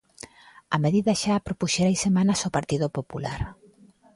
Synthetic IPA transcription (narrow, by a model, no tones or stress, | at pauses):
ameðiðɐʃapɾopuʃeɾajsemanɐsopaɾt̪iðopopulaɾ